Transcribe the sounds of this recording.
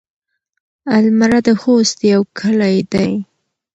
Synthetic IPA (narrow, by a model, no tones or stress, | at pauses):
almaɾad̪əxost̪jawkʰəlajd̪aj